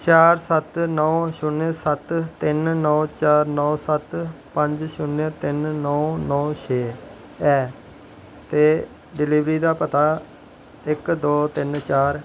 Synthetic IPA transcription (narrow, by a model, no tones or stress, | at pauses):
t͡ʃaːɾsət̪nɔːʃʊnesət̪t̪ɪnnɔːt͡ʃaːɾnɔːsət̪ | pə̃ɲd͡ʒʃʊnːet̪ɪnnɔːnɔːʃʰeː | ɛː | t̪eː | ɖɪliːʋɾiːd̪aːpət̪aː | ɪkd̪oːt̪ɪnt͡ʃaːɾ